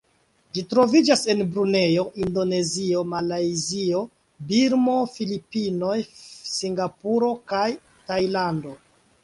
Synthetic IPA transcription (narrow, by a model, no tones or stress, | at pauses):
d͡ʒitɾo̞vid͡ʒase̞nbɾune̞joʔindo̞ne̞zio̞malajzio̞ | biɾmo̞filipino̞jsiŋɡapuɾo̞kaj | tajlando̞